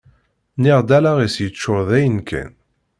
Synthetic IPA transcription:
nɪʁd̪ælaʁisjət͡ʃːʊɾðæjənkʰæ̰n

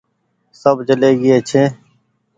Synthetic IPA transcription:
səbt͡ʃəleːɡɪeːt͡ʃʰeː

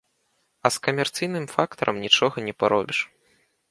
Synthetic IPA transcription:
ɐskɐmʲɛrt̪sɨjnɨmfakt̪ɐɾʔɐ̰mnʲit͡ʂɔɣɐnʲɛpaɾɔbʲiʂ

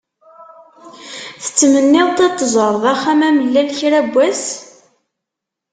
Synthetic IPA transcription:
θə̥t͡sːmənːɪðt̪et̪ˤːəzˤəɾˤðˤæχːæmæməlːælçɾæbʷːæs

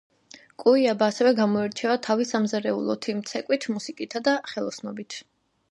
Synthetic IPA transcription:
kʼuiabaːsɛvɛɡamɔɛɾt͡ʃʰɛvat̪ʰavisamzaɾɛṵlˠɔ̰t̪ʰimt̪sʰɛkʼwit̪ʰmusikʼit̪ʰad̪aχɛlˠɔsnɔbit̪ʰ

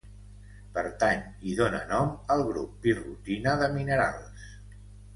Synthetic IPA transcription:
pəɾt̪aɲ | iðonə̰nɔməlˠɣɾupːirut̪inəðəminəɾa̰lˠs

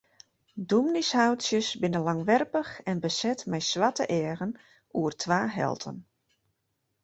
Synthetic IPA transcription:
dumnishawtsjəsbɪnəlaŋʋɛrpəxɛnbəsɛtmɛjswatə̰ʔɛəɣən | uərtʰʋaːɦɛ̰lˠtʰə̰n

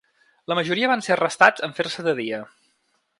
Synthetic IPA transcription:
ləməʒuɾiəβanseərəst̪ad͡zəɱfersəðəðiə

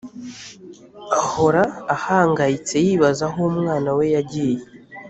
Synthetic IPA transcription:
aho̞ɾaːhaːŋɡajit͡se̞jiːβazaɦo̞umŋaːnawe̞jaɟije

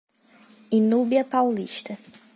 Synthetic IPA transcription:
inubiɐpawliʃt̪ɐ

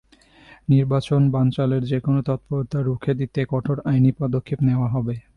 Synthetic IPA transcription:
niɾbat͡ɕonbant͡ɕaleɾd͡ʑekonot̪ɔt̪̚poɾot̪ʰːaɾukʰed̪it̪ekɔʈʰoɾajnipɔd̪okʰːepneoaɦɔbe

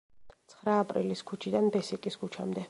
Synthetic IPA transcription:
t̪sʰχɾaːpʼɾḭliskʰut͡ʃʰid̪anbɛsikʼiskʰut͡ʃʰamd̪ɛ

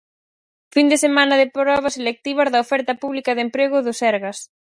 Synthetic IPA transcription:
find̪esemãnɐðepɾɔβɐselek̚t̪iβɐzðɐofɛɾt̪ɐpuβlikɐðempɾeɣʊðʊsɛɾɣɐs

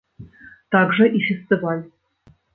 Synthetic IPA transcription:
t̪ɑɡʐɤ̆ʔifʲesʲt̪ʲivɑlʲ

